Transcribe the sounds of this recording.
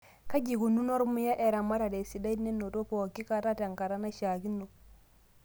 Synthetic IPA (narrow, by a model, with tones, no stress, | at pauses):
ka˦ɟi˨ɡu˨nu˦no˦ɾmu˦ja˦ʔe˨ɾa˨ma˦ɾa˨de˨si˨da˦ine˦no˨to˦po˨kːi˦ka˨ta˦ta˨ŋka˨ɾa˦na˦ʃa˨ɡi˦nːo˨